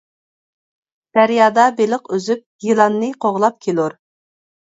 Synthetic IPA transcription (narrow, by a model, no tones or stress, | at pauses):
d̪̥æɾjɑːd̪ɑbelɪqøzyp̚jilˠɑnːɨqʰoʁlˠɑp̚kʲʰeluɾ